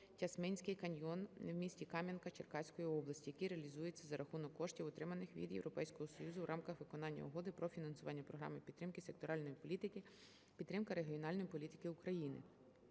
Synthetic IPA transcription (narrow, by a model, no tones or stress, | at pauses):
tʲɐsmɛnʲsʲkɪjkɐnʲjɔnwmʲisʲtʲikɑmʲjɐnkɐt͡ʃerkɑsʲkɔjiɔblˠɐsʲtʲijɐkiɾeɐlʲizujet͡sʲːɐzɐɾʔɐxunɔkːɔʃtʲiwɔt̪ɾɪmɐnɪxʋʲḭd̪jḛwɾɔpɛjsʲkɔɦɔsɔjuzʊwɾʔɑmkɐxʋɪkɔnɑnʲːɐ̰ʊɦɔd̪ɪpɾɔfʲinɐnsʊʋɑnʲːɐpɾɔɦɾɑ̰mɪpʲit̪ːɾɪmkɪsek̚t̪ɔɾɑlʲnɔjiit̪kɪ | pʲid̪ːɾɪmkɐɾeɦʲiɔnɑlʲnɔjipɔlʲit̪ɪ̥kɪʊkɾɐjinɪ̰